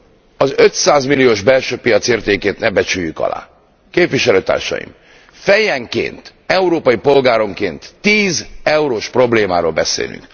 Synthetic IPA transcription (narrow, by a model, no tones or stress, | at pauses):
ɒzøt̪saːzmilːijoːʒbɛlʃøːpijɒt̪seːrt̪eːkeːt̪nɛbɛt͡ʃyjːykɒ̰la̰ː | keːpʋiʃɛløːt̪a̰ːrʃɒ̰jḭm | fɛjɛŋkḛːnt̪ | ɛuɾoːpɒjipo̞lɡaːɾo̞ŋkeːnt̪ːiːzɛuɾoːʃpro̞bleːmaːɾolbɛsḛːly̰ŋk